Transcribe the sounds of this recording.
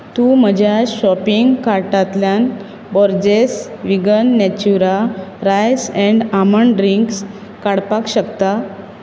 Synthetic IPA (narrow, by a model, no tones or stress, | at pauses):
t̪um̤əd͡ʑʱjaɕɔpiŋɡkaɾʈat̪ljan | bɔɾd͡ʑesʋiɡənːɛt͡ɕuɾaɾajsɛ̃ɳɖaməɳɖɾiŋks | kaɽpakɕəkt̪a